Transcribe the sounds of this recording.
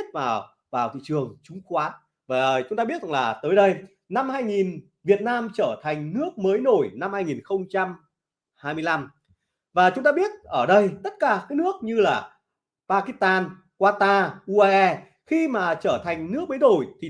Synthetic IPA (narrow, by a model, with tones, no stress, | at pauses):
t̚vaː˨˩w | vaː˨˩wt̪ḭ˧˨t͡ɕɨ˨˩əŋt͡ɕʊ˨˦ŋ͡mkwaː˨˦n | vaː˨˩t͡ɕʊ˨˦ŋ͡mt̪aː˧ɓi˦˥ət̚za˨˩laː˨˩t̪əː˨˦jɗə˧j | na˧mhaː˧jŋi˨˩n | vi˨˩ət̚naː˧mt͡ɕəː˧˩t̪ʰjŋ̟nɨ˦˥ək̚məː˨˦jno˧˩jna˧mhaː˧jŋi˨˩nxə˧wŋ͡mt͡ɕa˧m | haː˧jmɨ˧əjla˧m | vaː˨˩t͡ɕʊ˨˦ŋ͡mt̪aː˧ɓi˦˥ət̚ʔəː˧˩ɗə˧jt̪ə˦˥t̚kaː˨˩kaː˨˦jnɨ˦˥ək̚ɲɨ˧laː˨˩ | paː˧ki˦˥st̪aː˧n | kwaː˧t̪aː˧ʔu˧ʔaː˧ʔɛ˧ | xi˧maː˨˩t͡ɕəː˧˩t̪ʰa˨˩jŋ̟nɨ˦˥ək̚məː˨˦no˧˩jt̪ʰi˨˩